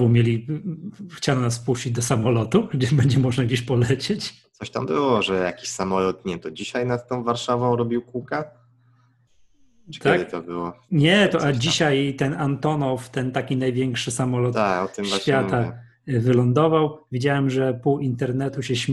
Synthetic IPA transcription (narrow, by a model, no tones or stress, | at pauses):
vumʲjelʲi | xt͡ɕanɔnasfpuɕt͡ɕid͡ʑd̪ɔsamɔlɔt̪uɡd͡ʑɛbɛɲd͡ʑɛmɔʐnaɡd͡ʑeɕpɔlɛt͡ɕet͡ɕ̪ | ɔɕt̪ambɘwɔʐɛjakʲiɕsamɔlɔt̪nɲɛt̪ɔd͡ʑiɕajnat̪ːɔ̃w̃vaɾʂavɔ̃w̃ɾɔbʲiwkukɛ | t͡ʃt̪ʰakd̪ɘt̪ɔbɘwɔɲɛt̪ɔʔad͡ʑiɕajt̪ɛnant̪ɔnɔft̪ɛnt̪akʲinajvʲjɛŋkʂɘsamɔlɔt̪akɔt̪ɨmmvafʲjat̪a | vɘlɔnd̪ɔvawvʲid͡ʑawɛmʐɛpuwint̪ɛɾnɛt̪uɕɛɕmʲ